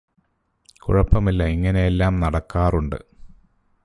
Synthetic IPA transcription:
kuɻɐpːɐmilːɐiŋːɐnejelːaːmnɐɽɐkːaːruɳɖɨ̰

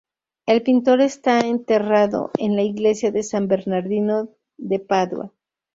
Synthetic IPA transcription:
e̞lpint̪o̞ɾe̞st̪aent̪e̞raðo̞̰ʔenlaiɣle̞sjaðe̞sambe̞ɾnaɾðino | ðe̞paðwa̰

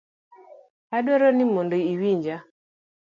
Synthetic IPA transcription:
hadwɔɾɔnimondoiwiɲd͡ʒa

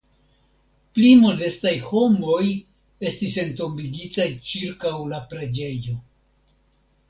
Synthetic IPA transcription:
plimo̞de̞stajho̞mo̞j | e̞stise̞nto̞mbiɡitajt͡ʃiɾkawlapɾe̞d͡ʒe̞jo̞

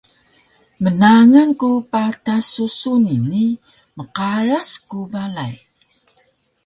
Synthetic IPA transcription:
mənaŋankupatasusunini | məqaɾaskubalaj

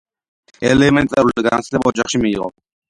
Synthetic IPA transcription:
ɛlɛmɛnt̪ʼɛɾulɡansd̪ɛpɔd͡ʒɑχʃimiːʁɔ̰

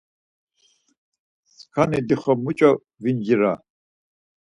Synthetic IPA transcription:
skʰanid̪iχɔmut͡ʃʼɔ | vind͡ʒiɾa̰

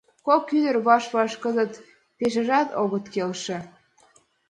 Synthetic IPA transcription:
kokyd̪ərβɑʃβɑʃkəzət̪ | peʃ̬ə̆ʒɑt̪oɣət̪kelʃĕ

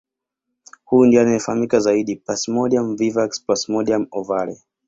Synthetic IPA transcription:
huindianaɛfahamikazaiɗipasmɔɗiamvivaksplasmɔɗiamɔvalɛ

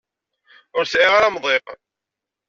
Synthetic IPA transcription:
ʊɾsʕiʁaɾamðˤeq

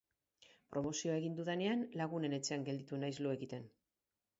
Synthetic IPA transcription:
pɾʔo̞mo̞sio̞ae̞ɣind̪uðene̞anlaɣ̞une̞ne̞t͡seaŋɡe̞ld̪it̪unajzloe̞ɣit̪e̞n

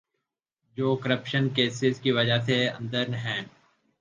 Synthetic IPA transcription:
d͡ʒoːkəɾəpʃənkeːsɪzkiʋɐd͡ʒaseɐ̰̃nd̪əɾnɦɛ̃ː

